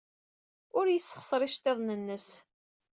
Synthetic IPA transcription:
ʊɾjəsːə̥χsɾˤɪʃt̪eðˤnənːəs

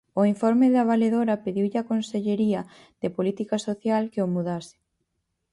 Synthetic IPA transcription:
oiɱfoɾmɪðaβ̞aleðoɾapeðiwʎɪakonseʎeɾiɐ | ð̥epolit̪ikasoθjalkeomuðasɪ̥

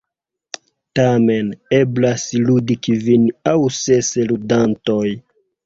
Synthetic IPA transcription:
tame̞ne̞blasludikivinawse̞seludantoj

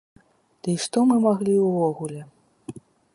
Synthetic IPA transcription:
d̪̥ɨiʂt̪ɔmɨmaɣlʲiwvɔɣulʲɛ

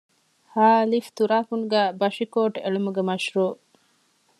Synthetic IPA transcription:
haːlift̪uɾaːkunɡæːbɐʃikoːʈḛɭumuɡemɐʃɾuː

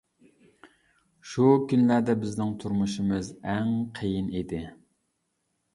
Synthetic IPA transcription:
ʃukʲynlæɾd̪ɛbɪznɪŋt̪ʰuɾmuʃimɨzɛŋqʰejinid̪ɪ

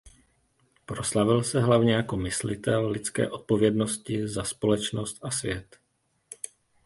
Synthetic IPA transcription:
pɾo̞slavɪlsɛɦlavɲɛjako̞mɪslɪ̰t̪ɛlːɪt͡skɛ̰ːʔo̞t̪̚po̞vjɛdno̞scɪzaspo̞lɛt͡ʃno̞st̪asvjɛt̪

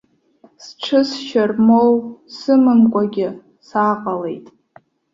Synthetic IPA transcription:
sʈ͡ʂʰɨsʃarmowsɨmɨnkʷʼaɡʲɪ | saqʼalejtʼ

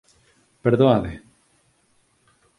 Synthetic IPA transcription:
peɾðoaðe

